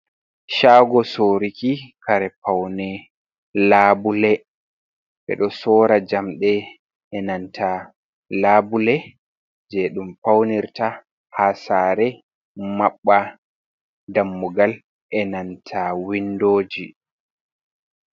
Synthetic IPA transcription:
ʃaɡɔsoɾikikaɾɛpawnɛ | laːbulɛ | ɓɛ̰ɗɔsɔɾad͡ʒamɗɛ | ɛnantʰa | laːbulɛ | d͡ʒɛɗumpawniɾta | hasaːɾɛ | maɓːa | damːuɡal | ʔɛnantʰawindoːd͡ʒi

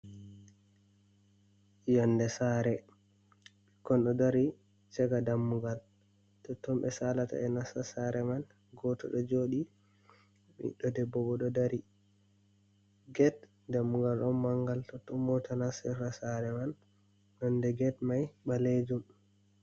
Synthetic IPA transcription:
jɔndɛsaɾɛ | kɔnɗɔdaɾi | t͡ʃɛɡadamːuɡal | tɔtːɔmbɛsalata̰ɛnasasaɾɛman | ɡɔtɔ̰ɗɔd͡ʒoːɗi | mḭɗɔdɛbːɔɡɔɗɔdaɾi | ɡɛt | damːuɡalɗɔnmaŋɡaltɔtɔmɔtanasɛɾasaɾɛman | nɔndɛɡɛtmajɓaled͡ʒum

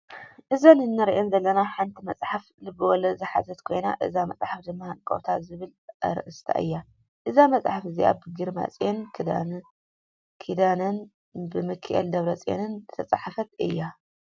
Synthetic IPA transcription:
ʔɨzɐnɨnːɐɾiʔenzɐlːɐnaħant̪ʰimɐt͡sʼħaflɨbɨwɔlɐzɨħa̰zɐt̪kʰo̞jna̰ʔɨ̰zamɐ̰t͡sʼħafd̪ɨmːahankʼo̰wt̪ʰazɨβɨlɐ̰ɾɨ̰ʔɨst̪ʰa̰ʔɨ̰jːa | ʔɨzamɐt͡sʼħafɨziʔa̰bɨɡɨɾma̰t͡sʼjenkd̪a | kʰid̪anɐn | bɨmɨkʰɨʔḛld̪ɐβɾɐt͡sʼḛnɨnt̪ʰɐt͡sʼaħafɐt̪ɨ̰jːa

